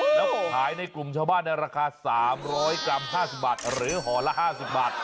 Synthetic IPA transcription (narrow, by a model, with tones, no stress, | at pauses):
lɛː˦˥haː˩˦jna˧jklu˨˩mt͡ɕʰaː˧baː˥˩nːa˧jɾaː˧kʰaː˧saː˩˦mɾɔː˦˥jka˧mɦaː˥˩si˨˩p̚baː˨˩t̪̚ɾɯː˩˦ɦɔː˩˦la˦˥ʔhaː˥˩si˨˩p̚baː˨˩t̪̚